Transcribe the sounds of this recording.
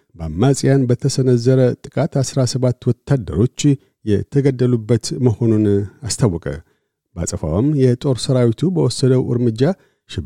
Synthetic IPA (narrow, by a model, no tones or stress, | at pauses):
bamːasʼijanbət̪ʰəsənəzːəɾət̪ʼɨkʼat̪asɾasəβat̪ːwɔt̪ʰːad̪ːə̰ɾo̞t͡ʃː | jɛt̪ʰəɡəd̪ːəlubːət̪məho̞nunast̪ʰawːɔkʼə̰ | ba̰sʼəfa̰wəmjɛt̪ʼo̞ɾsəɾawit̪ʰubəwɔsːəd̪əwʔɨ̰ɾmɨd͡ʒːa | ʃɪb